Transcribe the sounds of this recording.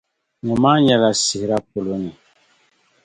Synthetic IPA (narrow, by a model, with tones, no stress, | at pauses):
ɲɛ̃˨ma˦ɲɛ˨la˨si˨hi˨ɾa˦po˨lo˨˦ni˨